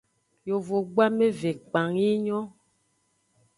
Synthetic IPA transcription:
jo˨vo˨ɡ͡ba˦me˦ve˨k͡pa˨ŋi˦ɲɔ̃˦

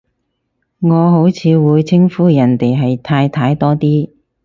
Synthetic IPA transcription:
ŋɔː˨˧ɦo˨˥wt͡sʰiː˨˧wuː˨˧jt͡sʰɪ˥ŋfuː˥jɐ˨˩nt̪e˨jɦɐ˨jt̪ʰaː˧jt̪ʰaː˧jt̪ɔː˥t̪iː˥

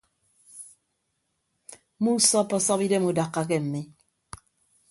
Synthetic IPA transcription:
mu˦sɔ˦pːɔ˦sɔ˦pi˦de˦mu˦da˨kːa˦k̬e˦m̩˨me˦

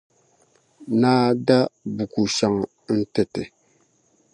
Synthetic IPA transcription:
naː˦da˦bu˨ku˨ʃa˨ŋ˨˦n̩˦tɛ˨tɪ˨

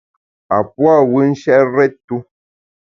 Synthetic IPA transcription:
a˨pwa˦˨wɨ˦n̩˦ʃɛ˦ɾɛ˦ttu˦

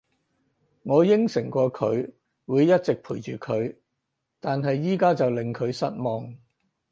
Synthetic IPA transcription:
ŋɔː˨˧jɪ˥ŋsɪ˨˩ŋkʷɔː˧kʰɵ˨˧˥ɥ | wuː˨˧jjɐ˥t̚t͡sɪ˨k̚pʰuː˨˩jt͡ʃyː˨kʰɵ˨˧ɥ | t̪aː˨nɦɐ˨jːiː˥kaː˥t͡sɐ˨wlɪ˨ŋkʰɵ˨˧ɥsɐ̰˥t̚mɔː˨ŋ

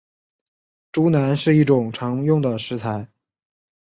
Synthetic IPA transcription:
ʈ͡ʂu˧˥na˧˥nʂɻ̩˥˧i˥˩ʈ͡ʂʊ˨˩ŋʈ͡ʂʰɑ˧˥ŋjʊ˥˩ŋd̪ə˩ʂɻ̩˧˥t͡sʰa˧˥ɪ

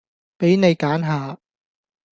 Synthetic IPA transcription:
pe˨˥jne˨˧jkaː˨˥nɦaː˨˧

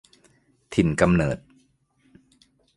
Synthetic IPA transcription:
t̪ʰi˨˩nka˧mnɤː˨˩t̪̚

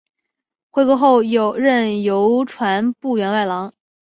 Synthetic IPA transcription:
xwe˧˥ɪkɔ˧˥xo˥˩ʊjo˨˩ʊɻə˥˩njo˧˥ʊʈ͡ʂʰwa˧˥npu˥˩ɥɛ˧˥nwa˥˩ɪlɑ˧˥ŋ

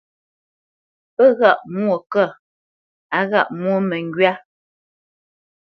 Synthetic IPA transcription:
pə˦˨ɣa˦˨ʔmwo˦˨kə˦˨ | a˨ɣa̰˦˨ʔmwo˦˨mə˨ŋ˦ɡɥa˦

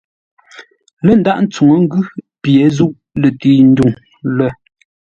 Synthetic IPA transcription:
lə˦˨n˨da˦ʔn̩˦t͡su˨ŋə˨˦ŋ̩˦ɡʉ˦ | pje˨˦zu˦˨ʔ | lə˨tiː˨n̩˦du˦˨ŋ | lə˦˨

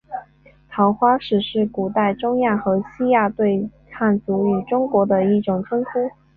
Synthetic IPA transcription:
t̪ʰɑ˧˥ʊxwa˥ʂɻ̩˨˩ʂɻ̩˥˩ku˨˩t̪a˥˩ɪʈ͡ʂʊ˥ŋja˥˩xɤ˧˥ɕi˥ja˥˧t̪we˥˧ɪkʰa˥˩nt͡su˧˥y˨˩ʈ͡ʂʊ˥ŋkwɔ˧˥d̪ə˧i˥˩ʈ͡ʂʊ˨˩ŋʈ͡ʂʰə˥ŋkʰu˥

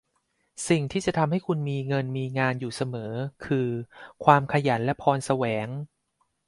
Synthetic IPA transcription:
si˨˩ŋt̪ʰiː˥˩t͡ɕa˨˩t̪ʰa˧mha˥˩jkʰu˧nmiː˧ŋɤ˧nmiː˧ŋaː˧njuː˨˩sa˧mɤː˩˦kʰɯː˧kʰwaː˧mkʰa˧ja˩˦nlɛ˦˥pʰɔː˧nsa˧wɛː˩˦ŋ

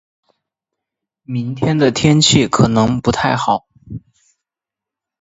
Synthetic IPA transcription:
mi˧˥ŋt̪ʰjɛ˥nd̪ə˨t̪ʰjɛ˥nt͡ɕʰi˥˩kʰɤ˨˩nɤ˧˥ŋpu˧˥t̪ʰa˥˩ɪxɑ˨˩˦ʊ

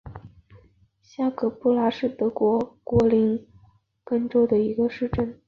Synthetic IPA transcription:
ɕja˥˩kʰɤ˨˩pu˥˩la˧˥ʂɻ̩˥˩t̪ɤ˧˥kwɔ˧˥kwɔ˧˥li˧˥n | kə˥nʈ͡ʂo˥ʊd̪ə˨i˧˥ɡə˧ʂɻ̩˥˧ʈ͡ʂə˥˩n

